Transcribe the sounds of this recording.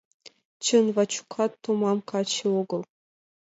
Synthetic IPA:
t͡ɕɤ̆nvɑt͡ɕu̥kʰɑt̪ːomɑmkɑt͡ɕiuɡɤ̆lˠ

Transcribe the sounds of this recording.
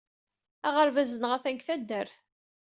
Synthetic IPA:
æʁəɾvæzənʁæθæŋkθæd̪ːəɾθ

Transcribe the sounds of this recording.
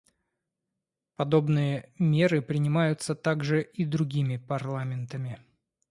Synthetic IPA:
pɐd̪o̞bnɨjəmʲe̞ɾɨpɾʲɪnʲɪmajʊt̪sət̪aɡʐɨʔid̪ɾʊɡʲimʲɪpɐrlˠamʲɪnt̪əmʲɪ

